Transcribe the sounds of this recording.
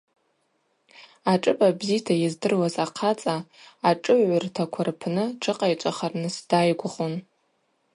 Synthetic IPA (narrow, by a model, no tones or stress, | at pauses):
aʈ͡ʂʼɨbʼabzijtʰajazdɨrwazaqʰat͡sʼaːʈ͡ʂʼɨʕʷʊrtʰakʷʰarpʰnɨʈ͡ʂʰɨqʼajt͡ʃʷʼaχarnɨsd̥ajɡʷʊχon